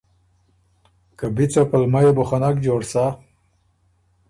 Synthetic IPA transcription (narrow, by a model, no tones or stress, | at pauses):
kabit͡sopalmajeboxanakd͡ʑoːɽsa